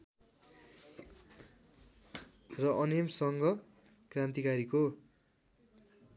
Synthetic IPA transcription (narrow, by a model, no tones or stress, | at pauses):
rʌʔʌnemsʌŋɡʌ | krãnt̪ikaɾiko